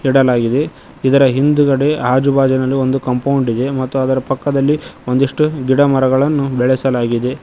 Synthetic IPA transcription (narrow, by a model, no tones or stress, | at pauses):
iɽɐlaːɡid̪e̞ | id̪ɐɾɐɦind̪uɡɐɽeɦaːd͡ʒubaːd͡ʒɐnɐlːio̞nd̪ukɐmpɐwɳɖid̪e̞mɐt̪ːuɐd̪ɐɾɐpɐkːɐd̪ɐlːio̞nd̪iʂʈuɡiɽɐmɐɾɐɡɐɭɐnːubɛɭɛsɐlaːɡid̪e̞